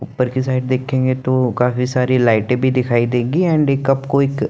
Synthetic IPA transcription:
ʊpːəɾkisaːɪʈ̚d̪eːkʰẽːŋɡet̪okaːfisaːɾilaːɪʈebʱid̪ɪkʰaːid̪ẽːɡiɛ̃ːɳɖeːkɐbkoɪk

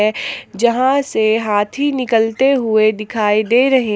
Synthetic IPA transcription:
ɛd͡ʒɐɦãseɦaːt̪ʰɦinɪkəlt̪eɦʊed̪ɪkʰaːid̪eːɾɐɦẽ

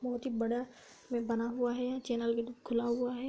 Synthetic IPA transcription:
bɔɦʊt̪ɦibɐɽa | mẽbɐnaɦuaɦɛt͡ʃɛːnəlkekʰʊlaɦʊaɦɛ

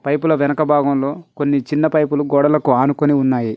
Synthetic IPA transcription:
pɐjpulɐʋɛnɐkɐbʱaːɡɐmlo̞ːko̞nːit͡ʃinːɐpɐjpuluɡɔːɽɐlɐkuaːnukoniunːaːji

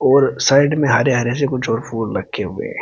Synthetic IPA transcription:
ɔːɾsaːɪɖmẽɦaːɾeɦaːɾesekʊt͡ʃʰɔːɾfuːɽlɐɡʰeɦʊḛ

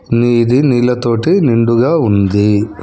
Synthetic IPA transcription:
nid̪iniːlɐt̪o̞ːʈiniɳɖuɡaːund̪i

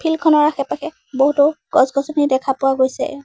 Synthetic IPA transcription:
pʰilkʰɔnɔɹaxɛpaxɛ | boɦutoɡ̥ɔzɡɔzɔnidɛkʰapʊwaɡojsɛ̰

